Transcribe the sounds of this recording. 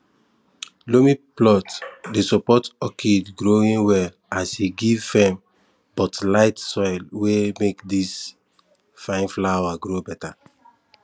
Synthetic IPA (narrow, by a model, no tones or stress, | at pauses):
lomiplɔtdesɔpɔtɔkʰidɡɹoĩnwɛl | asiɡivːɛ̃m | bɔtlaɪtsɔɪlwemekdis | fãɪ̃nflaaɡɹobɛta